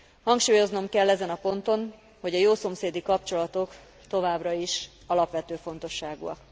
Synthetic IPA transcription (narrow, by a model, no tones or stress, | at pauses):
hɒŋkʃuːjo̞zno̞mkɛlːɛzɛnɒpo̞nt̪o̞n | ho̞ɟɒjoːso̞mseːd̪ikɒpt͡ʃo̞lɒt̪o̞k | t̪o̞vaːbrɒiʃ | ɒlɒpʋɛt̪øːfo̞n̪t̪o̞ʃːaːɡṵɒ̰k